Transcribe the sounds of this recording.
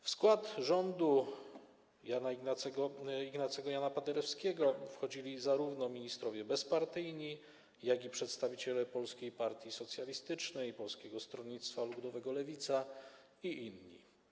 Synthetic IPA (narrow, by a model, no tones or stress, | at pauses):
fskwat̪ʐɔnd̪u | janaaɛɔiɡnat̪sɛɡɔjanapad̪ɛɾɛfskʲɛɡɔfxɔd͡ʑilʲizaɾuvnɔmʲiɲist̪ɾɔvʲjɛbɛspaɾt̪ɘjɲi | jaɡʲipʂɛt̪st̪avʲit͡ɕɛlɛpɔlskʲejpaɾt̪ʲjisɔt̪sʲjalʲist̪ɘt͡ʂnɛjpɔlskʲɛɡɔst̪ɾɔɲit̪st̪falud̪ɔvɛɡɔlɛvʲit̪sa | iʔinːḭ